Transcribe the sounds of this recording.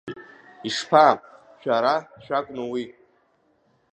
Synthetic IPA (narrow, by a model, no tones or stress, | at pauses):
iʂpʰa | ʃᶣaɾaʃᶣakʷʼnowi